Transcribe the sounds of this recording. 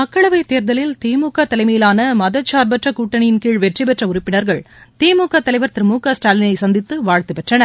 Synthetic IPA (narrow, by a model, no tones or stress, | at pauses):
mɐkːɐɭɐʋɐɪt̪eːɾðɐlɪlt̪iːmuːkːɐt̪ɐlɐɪmɐjɪlaːnɐmɐðɐt͡ʃːaːɾbɐʈrɐkuːʈːɐɳɪjɪnkiːɻʋɛʈripɛʈrɐʊrɪpːɪnɐɾɣɐɭ | t̪iːmuːkːɐt̪ɐlɐɪʋɐɾt̪ɪɾmuːkɐsʈaːlɪnɐɪsɐnd̪ɪt̪ːɯʋaːɻt̪ɯpɛʈrɐnɐ